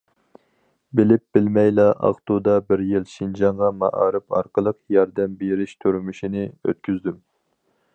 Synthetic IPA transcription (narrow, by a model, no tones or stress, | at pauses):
bɪlɪp̚bɪlmɛjlɑʔɑ̰ʁt̪ud̪ɑbɪɾjilʃind͡ʒɑɴʁɑmɑ̰ʔɑ̰ːɾɨpɑ̰ɾqəlˠəqjɑɾd̪ɛmbeɾɪʃt̪ʰøɾmyʃinɪø̰t̪̚kʲʰyzd̪ym